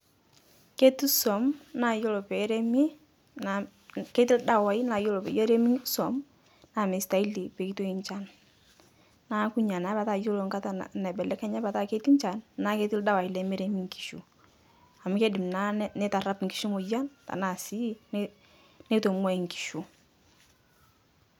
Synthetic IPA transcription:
ke˦tu˦sɔ˨mna˨jo˦lo˨pɛ˨˦ɾe˦mi˦ | a˨ | ke˦t̬i˦lda˦wa˨i˦na˨jo˦lo˨pɛ̰˨jo˦ɾe˦mi˦sɔ˨m | na˨me˨sta˨i˦li˨pe˨ki˦to˦i˨ɲt͡ʃa˦n | a˦ku˦ɲa˨na˨˦ba˨ta˨jo˦lo˨ŋka˦ta̰˨nɛ˨bɛ˨lɛ˦kɛ˦ɲa˦pa˨ta˦ke˦ti˦ɲt͡ʃa˨nna˦ke˦tɪ˦lda˦wa˨i˨lɛ˨˦me˦ɾe˦mi˦ŋki̥˨ʃu˨ | a˨m˦ke˦dɪ˨mna˦nɛ˦ta˨ra˦pŋ̩ki̥˨ʃo˦mo˨ja˦nta̰˨na˦˨si˦n | ne˦to˨mwa˦i˨ŋ˨ki̥˨ʃu˨

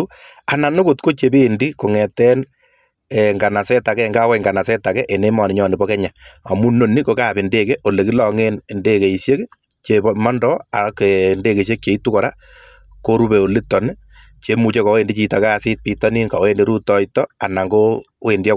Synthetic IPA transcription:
a˨na˨nʊ˦kʊ˨tko˦t͡ʃe˨pe˦ndi˦ko˨ŋɛ˨tɛ˦n | ŋɡa˨na˨sɛ˦ta˨kɛ˦˨ŋɡaː˦kwɛ˨ŋɡa˨na˨sɛ˦ta˨kɛ˦ʔe˨ne˦mɔ˨nɪ˨ɲɔ˨nɪ˨bɔ˦kɛ˦ɲa˨ɔ˨mu˦nːo˨ni˦ko˦kaː˦˨pɪ˨nde˦ke˦ʔo˨le˨ki˦lɔ˨ŋe˦nnde˦ke˨i˨sje˦k | t͡ʃe˨bmɔ˦ndɔ˦a˨ke˨nde˦ke˨s̬e˦k̚t͡ʃe˨i˦tu˦kɔ˨ɾa˦ | ko˦ɾu˦be˨o˨li˦tːɔ˨nɪ | t͡ʃe˨mu˨t͡ʃe˦kɔ˨we˨ndi˦t͡ʃi˨ta˨kaː˦sɪ˦t̚pi˦tɔ˦ni˦ŋka˨we˦nde˦ɾu˦tɔ˦itːɔ˦a˨na˨ŋɡo˦we˨ndi˦a˦

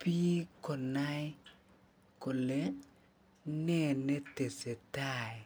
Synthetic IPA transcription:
piː˦kɔ˨na˦j | ko˨le˦ | nɛ˦ne˦te˨se˨ta˦˨j

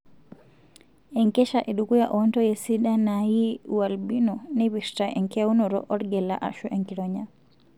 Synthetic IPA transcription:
e˨ŋke˦ʃa˨ʔe˨ɗuku˦ja˨ʔonto˦je˨si˦da˦naji˦uwalbi˦nonɛβistaʔḛŋkɛ˦a˦u˦noɾɔ̰ʔɔ˦ɾɡɛ˨la̰ʔa̰˨ʃu˦ʔeŋki˨ɾoɲa˦

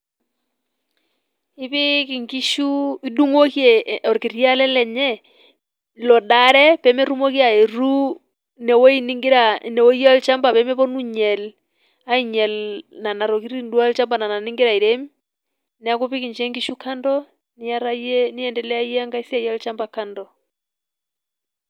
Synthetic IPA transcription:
ɪ˦pɪ˦ki˨ŋɡi˦ʃu˦i˦du˦ŋo˦kjɛ˨ɔ˨ɾkɪ˨ɾja˦lɛ˦lɛ˨ɲɛ˦ | lɔ˨da˨ɾɛ˦pɛ˨˦mɛ˦ɾu˦mo˦ki˦a˨e˨ɾu˦ | nɛ˨wo˦i˦ni˦ŋɡɪ˦ɾa˨nɛ˨wo˦ɔ˦lt͡ʃa˦mba˨pɛ˨˦mɛ˦pɔ˦nu˦ɲɛ˨l | a˦i˦ɲɛ˨lna˨na˨ɾɔ˨ki˦ɾi˦ndu˦a˦lt͡ʃa˦mba˨na˨na˨nɪ˦ŋɡɪ˦ɾa˨i˨ɾɛ˦m | nɛ˨a˦ku˦pɪ˦ki˨ɲt͡ʃɛ˦ŋɡi˦ʃu˦ka˦ndɔ˦ | nɪ˦a˦ɾa˦jɛ˦nɪ˦ɛ˨ndɛ˨lɛ˦a˦i˦ɛ˦a˦ŋɡa˦i˦si˦a˦ja˦lt͡ʃa˦mba˨ka˦ndɔ˨

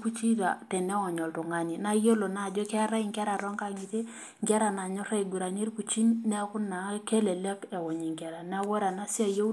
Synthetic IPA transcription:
ku˦t͡ʃi˦ta̰˨tɛ˨ne˦ɔ˨ɲɔ˨ltu˨ŋa˦ni˨na˦jo˦lo˨na˨d͡ʒɔ˦kɛ˦ɾa˦i˨ŋka˦ɾa˨ɾa˦ŋka˦˨ŋi˨te˦ | ŋɡa˦ɾa˨na˨ɲɔ˦ɾa˦i˨ɡu˨ɾa˨ni˦ɾku˨t͡ʃi˦nne˦kʊ˦na˨˦ke˦le˨le˦ke˨wɔ˨ɲi˨ŋkɛ˨ɾa˨n˦a˦we˦ɾa˨na˦si˦a˦˨jo˦

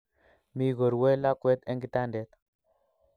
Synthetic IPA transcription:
mi˦ɣo˨ɾwe˦la˦kwe˦t̪e˦ŋɡi˦t̪a˦nde˦t̪

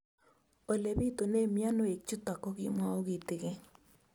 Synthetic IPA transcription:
o˨le˨βi˦to˨ne˦mja˦no˦e˨k̚t͡ʃu˦ta˨ko˦ɣi˦mwa˦o˦ɣi˨te˨ɣe˦

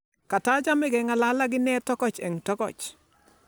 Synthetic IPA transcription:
ka˨ta˦d͡ʒa˦mɛ˦ɡɛ˨ŋa˨la˦la˦ɡɪ˦nɛ˦tɔ˦kɔ˨t͡ʃɛ˨ŋtɔ˦kɔ̰˨t͡ʃ

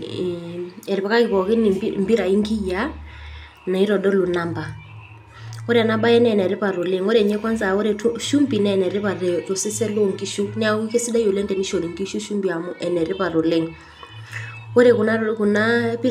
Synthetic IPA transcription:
ɛ˨ɾɪ˨pa˨ka˦kɪ˨pɔ˨kɪ˦ni˨mbi˦ɾa˨i˦ŋɡi˦ja˦ | na˨i˦ɾɔ˨dɔ˦lu˨na˦mba˨ | o˦ɾe˦a˨na˦ba˦jɛ˦n˦ɛ˨nɛ˨ɾe˦pa˨ɾo˨le˦ŋo˦ɾɛ˨ɲɛ˦kwa˦nza˨o˦ɾe˨tʃu˦mbi˨nɛ˨nɛ˨ɾe˦pa˨ɾe˨to˨se˦sɛ˦lo˦ŋɡi˦ʃu˦nɪ˦a˦wi˦ke˦si˦da˦jo˨lɛ˦ndɛ˨ni˦ʃo˨ni˨ŋɡi˦ʃu˦ʃu˦mbi˨a˨mʊ˦ʔɛ˨nɛ˨ɾɪ˦pa˨ɾo˨le˦ŋ | o˦ɾe˨kʊ˨na˦ku˨na˦pi˦

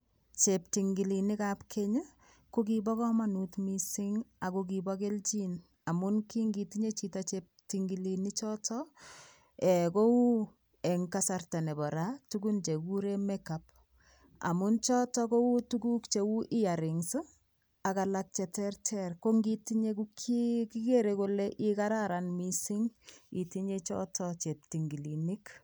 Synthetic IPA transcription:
t͡ʃep̚ti˨ŋɡi˨li˨ni˦kapkʰe˦ɲa˦ | ko˦k̬ibɔ˦kɔ˦ma˦nu˨tmi˦sɪ˦ŋa˨kok̬ibɔke˦lt͡ʃi˦n | a˨mʊ˦nki˦ŋɡi˨tiɲe˦t͡ʃi˦tat͡ʃep̚tiŋɡi˨lini˦t͡ʃɔ˦tɔ | ɛko˦wu˦ | ɛ˨ŋka˦sarta˨nɛ˨bɔ˨ɾatuku˦nt͡ʃe˨ku˦ɾe˦mɛkap̚ | a̰˨mu˦nt͡ʃɔ˦tɔ˦ko˦wu˦tuku˦kt͡ʃe˨wu˦ʔɪ˦ja˨ɾɪ˨ŋsɨ˦ | a˨ka˨lak̚t͡ʃɛ˨tɛrtʰɛrko˦ŋɡiti˦ɲeku˦kʰiki˦ke˦ɾeko˦lɛ˦ʔi˦ka˦ɾaɾanmi˦si˦ŋi˨ti˦ɲe˦t͡ʃɔ̰˦tʰɔt͡ʃɛ˨p̚ti˨ŋɡi˨lini˦k

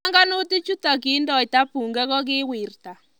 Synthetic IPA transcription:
ŋɡa˦no˦ti˦t͡ʃu˦ta˨k̬i˨˦ndɔ˨ɪ˨ta˦pu˨ŋɡɛ˦kɔ˦kɪ˦wɪ˨rta˨

